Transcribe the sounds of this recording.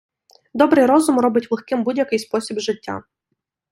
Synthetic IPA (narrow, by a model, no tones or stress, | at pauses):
d̪ɔbɾɪjɾɔzʊmɾɔbɪtʲʋlˠɪxkɪmbudʲjɐkɪjspɔsʲibʒɪtʲːa̰